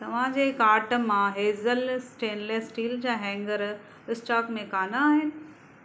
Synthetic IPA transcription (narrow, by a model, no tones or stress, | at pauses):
t̪ɐʋ̤ãd͡ʑeːkaːɾʈ̆mãɦeːzəlsʈeːnleːsʈiːld͡ʑaːɦɛ̃ːŋɡəɾ | ɪsʈaːkmẽkaːnaaːɦɪnɪ̆